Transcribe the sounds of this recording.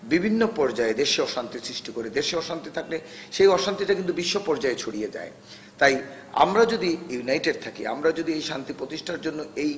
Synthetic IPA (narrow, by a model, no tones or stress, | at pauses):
bibʱinːopɔɾd͡ʑaed̪eɾʃeɔʃant̪isɾiʃʈikoɾed̪eɾʃeɔʃant̪it̪ʰak̚leʃejɔʃant̪iʈakint̪ubiʃːopɔɾd͡ʑaet͡ɕʰoɽijed͡ʑa̰e | t̪aj | a̰mɾad͡ʑod̪ijunajʈeɖ̚t̪ʰakḭa̰mɾad͡ʑod̪iejʃant̪ipɾot̪iʃʈʰaɾd͡ʑonːoej